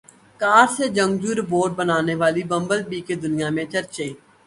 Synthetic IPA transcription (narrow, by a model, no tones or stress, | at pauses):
kaːɾsed͡ʒə̃ŋɡd͡ʒuːɾboːɖ̚bənaːneːʋaːliːbə̃mbəlpiːked̪ʊnɪjãːmẽt͡ʃəɾt͡ʃeː